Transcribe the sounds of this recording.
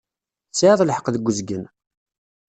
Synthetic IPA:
t͡sːaʕðˤlħə̥qðəɡʷːəzɡən

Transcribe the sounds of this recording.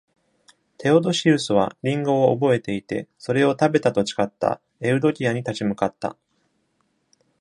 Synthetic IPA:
t̪ʰe̞o̞d̪o̞ɕiɾɯ̟sɨβ̞a̰ɾʲĩŋɡo̞ːbo̞e̞t̪e̞it̪e̞̰so̞ɾe̞o̞t̪abe̞t̪at̪o̞t͡ɕi̥kat̪ːa̰ | e̞ɯ̟d̪o̞kʲiaɲ̟it̪at͡ɕimɯ̟kat̪ːa̰

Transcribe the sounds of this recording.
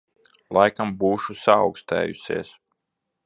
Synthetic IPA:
lˠajkambuːʃusa̰ːwkst̪ɛ̰ːjṵsʲḛɛːs

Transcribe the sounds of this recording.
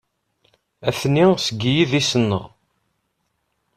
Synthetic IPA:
æθnisəɡːijiðisənːə̰ʁ

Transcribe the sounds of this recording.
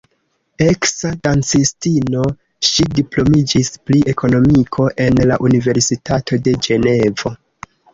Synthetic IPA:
e̞ksadant͡sistino̞ | ʃidiplo̞mid͡ʒispliʔe̞ko̞no̞mikʰo̞ʔe̞nlaʔunive̞ɾsitatʰo̞de̞d͡ʒe̞ne̞vo̞

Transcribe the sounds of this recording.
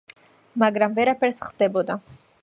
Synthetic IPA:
maɡɾamvɛɾapʰɛɾsχd̪̥ɛbɔd̪a

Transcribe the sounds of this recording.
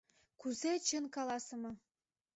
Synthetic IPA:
kuzet͡ɕənkɑlɑsə̆mɤ

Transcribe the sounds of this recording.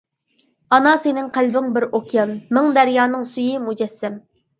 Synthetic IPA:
ɑnɑsenɪŋqʰælbɪŋbɪɾokʲʰijɑnmɪŋd̪ɛɾjɑːnɨŋsyjimud͡ʒɛsːɛm

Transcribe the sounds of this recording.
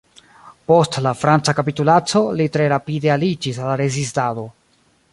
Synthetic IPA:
po̞stlafɾant͡sakapitulat͡so̞litɾe̞ɾapide̞alid͡ʒisalaɾezis̬tado̞

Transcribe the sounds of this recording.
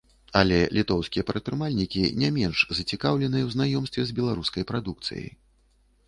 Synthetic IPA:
ɐlʲɛlʲit̪ɔwskʲijɛpɾɐt̪t̪ːɾɨmalʲnʲikʲinʲamʲɛnʐzɐt͡sʲikawlʲɛnɨjɐwznajɔmst̪vʲɛzbʲɛlˠaɾuskɐjpɾad̪uk̚t̪sɨ̰jɐ̰j

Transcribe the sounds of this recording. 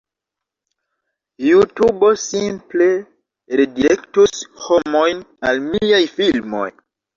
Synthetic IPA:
jutubo̞simple̞ | ɾediɾektusho̞mo̞jnalmijajfilmo̞̰j

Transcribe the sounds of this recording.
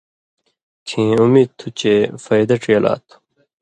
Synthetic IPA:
t͡ɕʰĩːumiːd̪̚t̪ʰːut͡ɕeːfɐjd̪ɐʈ͡ʂijɐla̰ːt̪ʰ

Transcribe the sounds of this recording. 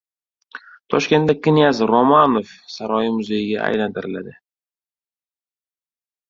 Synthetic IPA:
t̪ʰɒʃkʲe̞nt̪d̪akʰʲɪnijazɾomanofsaɾɒjɪmʊzejɪɡʲa̰a̰jlant̪ʰɪɾɪlad̪ɪ

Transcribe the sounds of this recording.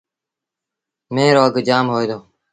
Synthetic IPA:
meːɾoːəɡd͡ʒaːmɦoːjd̪oː

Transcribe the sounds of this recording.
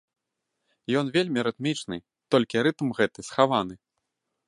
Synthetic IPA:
jɔnvʲelʲmʲiɾɨt̪mʲit͡ʂnɨ̰ | t̪ɔlʲkʲiɾɨt̪mɣɛt̪ɨsxavan̪ɨ

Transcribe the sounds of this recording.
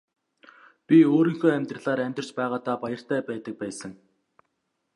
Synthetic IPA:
pʲioːɾiːŋxoːæmʲt̪rə̆ɮaːɾæmʲt̪ə̆r̥̆t͡ɕpæːʁaːt̪aːpajə̆r̥t̪æːpæːt̪ə̆k̚pæːsə̆ŋ

